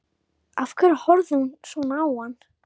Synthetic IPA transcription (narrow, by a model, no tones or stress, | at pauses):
afkʰɨrħʊrzɨnʂunaːan